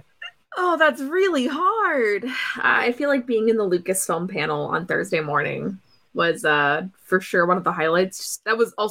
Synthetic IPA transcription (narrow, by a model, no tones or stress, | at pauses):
ʔoʊðætsɹɪlˠiɦɑɹd̥ʔʌ̰a̰ɪfilaɪk̚b̥iɪ̃ŋɨ̃nðəlʉkɨsfɪ̃lˠmpʰænl̩ˠə̰̃nθɜ̰˞zdeɪmɔɹnɪ̰̃ŋ | wʌzʌfə˞ʃʊɹwʌ̃nʌvðəɦaɪlaɪtsðɨt̚wʌzɔlˠ